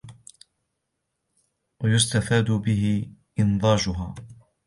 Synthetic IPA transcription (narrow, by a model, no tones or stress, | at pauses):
wajʊst̪afaːd̪ʊbɪɦɪʔɪnd̪ˤɑːd͡ʒʊɦaː